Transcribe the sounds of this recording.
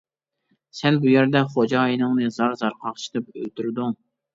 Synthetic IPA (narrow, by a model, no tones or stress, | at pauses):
sɛlbujæɾd̪ɛχod͡ʒɑjinɨŋnɨzɑɾzɑɾqʰɑqt͡ʃʰi̥t̪ɨpølt̪ʰyɾd̪uŋ